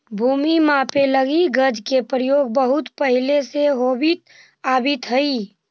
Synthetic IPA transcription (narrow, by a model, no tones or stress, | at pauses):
bʱuːmimãpeləɡiɡəd͡ʒkepɾəjoːɡ̚bəɦʊt̪pəɦɪleseɦoːbit̪ | aːbit̪ɦəi